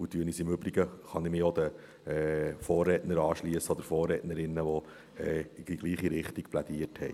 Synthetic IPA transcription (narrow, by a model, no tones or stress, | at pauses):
utyənisɪmʏbɾiɡəχɑnɪmɪod̪ə | ɛfɔːrːɛːtnəɾɑːʃliəsəod̪əɾfɔːrɛːtnəɾɪnːəʋɔ | ɛːiɡiɡ̥liːχiɾɪχtiɡplæd̥̪iːəthɛj